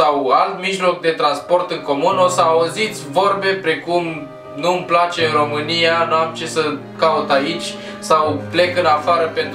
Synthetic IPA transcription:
awalt̪miʒlo̞k̚d̪e̞t̪ɾanspo̞rt̪ɨŋko̞muno̞səauzit̪sʲvo̞rbe̞pɾe̞kum | numplat͡ʃe̞ɨnro̞mɨnijanuamt͡ʃe̞sə | kaut̪ait͡ʃʲ | sawple̞kɨnafaɾəpe̞nt̪

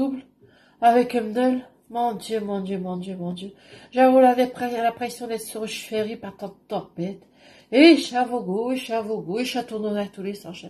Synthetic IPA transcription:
ubl | avɛkɛ̃mnœl | mɑ̃d̪jømɑ̃d̪jømɑ̃d̪jømɑ̃d̪ø | ʒavoladɛlapχesjɔ̃d̪ɛt̪səʁʃfeʁipaʁt̪ɑ̃d̪t̪ɔʁpɛt̪ | eʃavoɡoiʃavoɡoiʃat̪uʁnonat̪ulesɑ̃ʃa

